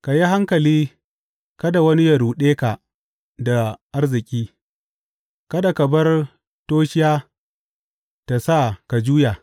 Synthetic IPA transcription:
ka˨ji˦ɦa˦ŋkɐ˨liː˦ | kɐ˦da˨wɐ˦ni˦jɐ˨ɾuː˨ɗeː˦ka˨ | da˨ʔa˦rzɪ˨kʲʼiː˦ | kɐ˦da˨kɐ˨bɐ˦r | toː˦ʃɪ˦jaː˦ | ta˨sa˦˨ka˨d͡ʒuː˦jaː˨

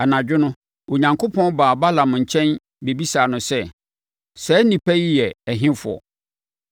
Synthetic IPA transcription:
a˨nã˨d͡ʑᶣɪ˦nʊ̃˦ | o˨ɲã˨ŋkʰo˦pʰɔ̃˦nbaː˨ba˦lã˨m˨ɲ̩˨t͡ɕʰɛ̃˦n | be˨bi˦saː˨nʊ̃˨sɛ˦ | sɛ˨˦nĩ˨pʰæ˦ji˦jɛ˨æ˨ɦɪ̃˦fʊ˨ɔ̰˨

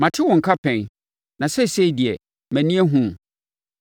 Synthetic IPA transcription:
mã˨tʰɪ˦wɔ̃˨ŋ̩˨kʰa˦pʰɛ̃˨n | nã˨sɛ˦˨se˦i˦˨di˨ɛ˨ | mæ̃˨nĩ˦ɛ˦ɦũ˦m˨

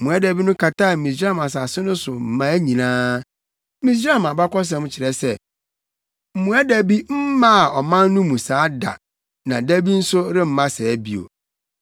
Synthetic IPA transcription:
m̩˨mũ˨æ˦dæ˨bi˦nʊ̃˦kʰa˨ta˦˨mi˨s̬ɾa˦˨mã˨s̬a˨sɪ˦nʊ̃˦sʊ˨m̩˨mã˦æ˦ɲĩ˨nãː˦ | mĩ˨s̬ɾa˦mã˨ba˦kɔ˦s̬ɛ̃˨˦m̃˦t͡ɕʰɪ˨ɾɛ˨sɛ˦ | m̩˨mũ˨æ˦dæ˨bi˦m̩˦mã˦˨ɔ˨mã˦nː˦ũ˦mũ˨saː˨˦da̰˨ | nã˨dæ˦bi˦n̩˦sʊ˦ɾɪ˦m̩˦mã˦sɛ˨˦bi˦o̰˨

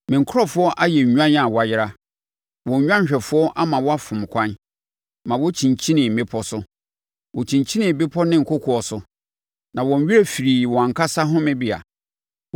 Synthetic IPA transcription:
mɪ̃˨ŋ˨kʰɔ˦fʊ˦ɔ˦ʔa˦jɛ˨ɲ˨ɲᶣu˦ã˦n˦a˨wɔ˨a˨jɪ˦ɾa˦ | wɔ̃˨ɲ˦ɲᶣ˦ã˦ɲ˦ɕᶣɛ˨fʊ˦ɔ˦ʔa˦mã˨wɔ˦a˦fʊ̃˨m˨kʷʰã˦n | mã˨wɔ˦t͡ɕʰĩ˨ɲt͡ɕʰĩ˦nɪ̃˨bɪ˦pʰɔ˦sʊ˦ | wɔ˨t͡ɕʰĩ˨ɲt͡ɕʰi˦nɪ̃˨be˦pʰɔ˦nɪ̃˦ŋ̩˨kʰʊ˦kʰɔ˨ɔ˨sʊ˦ | nã˨wɔ̃˨n˦ɥi˦ɾe˦fi˨ɾiː˨wɔ̃˨a˨ŋ˨kʰa˦sa˦ɦʊ̃˦mɪ̃˦bi˦a̰˨

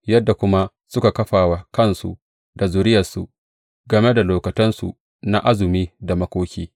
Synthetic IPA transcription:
jɐ˦dːa˨kʷʊ˦ma˦ | sʊ˦ka˨kɐ˦ɸaː˨wa˦kɐ˦˨nsṵ˨ | da˨zʊ˨ɾɪ˦jɐ˨rsṵ˨ | ɡɐ˨me˦da˨loː˨kɐ˨tɐ˦nsṵ˨ | na˦ʔa˦zʊ˨miː˦da˨mɐ˦kʷoː˦kʲiː˦

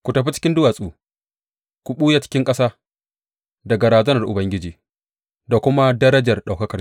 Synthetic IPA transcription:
kʷu˨tɐ˨ɸi˦t͡ʃɪ̥˦kʲɪ˦ndʊ˦waː˨sʼuː˨ | kʷu˨ɓuː˦ja˦t͡ʃɪ̥˦kʲɪ˦ŋkʼɐ˦saː˦ | dɐ˨ɡɐ˨ɾaː˨zɐ˦nɐ˨rʔʊ˨bɐ˦ŋɡʲɪ˦d͡ʒiː˨ | da˨kʷʊ˦ma˦dɐ˦ɾɐ˦d͡ʒɐ˨rɗa˨wkɐ˦kɐ˨

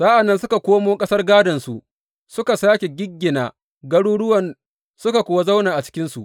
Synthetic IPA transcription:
sa˦ʔa˨nːɐ˦nsʊ˦ka˨kʷoː˦moː˦kʼɐ˦sɐ˦rɡaː˦dɐ˨nsu˨ʔ | sʊ˦ka˨saː˦kʲe˨ɡʲɪ˦ɡʲːɪ˨naː˨ | ɡɐ˦ɽuː˦ɽʊ˦wɐ˨n | sʊ˦ka˨kʷʊ˨wa˦za˦wnaː˨ʔa˨t͡ʃɪ̥˦kʲɪ˦nsu˨ʔ

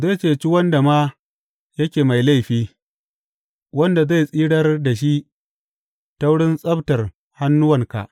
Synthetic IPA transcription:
za˦˨t͡ʃeː˨t͡ʃi˦wɐ˦nda˨ma˦ | jɐ˦kʲeː˨ma˨jla˦jɸiː˦ | wɐ˦nda˨za˦˨jsʼiː˦ɽɐ˦rda˨ʃi˦ʔ | ta˦wʊ˦ɽɪ˦nsʼɐ˦btɐ˨r | ha˦nːʊ˦wɐ˨ŋka̰˨ʔ

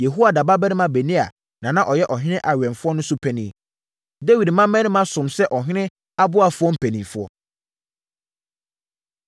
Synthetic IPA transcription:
jɛ˨ɦu˦a˨da˨ba˦bɛ˦nɪ̃˦mã˨be˨nĩ˦a˨ | nã˨nã˦ʔɔ˨jɛ˦ʔɔ˨ɦɪ̃˦nɪ̃˦ʔa˨ɥɛ̃˨nfʊ˦ɔ˦nʊ̃˦sʊ˦pʰæ˨nĩ˨ | de˦wi˨dmã˦mɛ̃˦nɪ̃˦mã˦sʊ̃˨msɛ˦ʔɔ˨ɦɪ̃˦nɪ̃˦ | a˦bʊ˦a˨fʊ˦ɔ˦m̩˦pʰæ˨nĩ˨fʊ˦ɔ̰˦

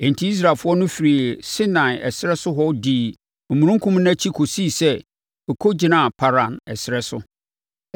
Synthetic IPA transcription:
ẽ˨n˨tʰi˦i˦s̬ɾa˨fʊ˦ɔ˦nʊ̃˦fi˨ɾi˨sɪ˦nã˨ɛ̰˨sɪ˦ɾɛ˦sʊ˦ɦɔ˦diː˨ | m̩˨mũ˨ɾũ˦ŋ˦kʰũ˦mnã˦t͡ɕʰi˦kʰo˨siː˦˨sɛ˦ | ɔ˨kʰo˦d͡ʑɪ˨nã˦˨pʰa˨ɾã˨nɛ̰˨sɪ˨ɾɛ˦sʊ̰˦

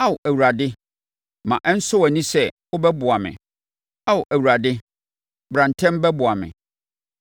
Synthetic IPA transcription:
a˦wʊ˨ʔæ˨wu˨ɾa˨dɪ˦ | mã̰˨ʔɛ˦n̩˦sʊ˦wæ˨nĩ˦sɛ˦˨wʊ˦bɛ˦bʊ˨a˨mɪ̰̃˨ | a˦wʊ˨ʔæ˨wu˨ɾa˨dɪ˦ | bɾã˨n˨tʰɛ̃˦m˦bɛ˦bʊ˨a˨mɪ̰̃˨

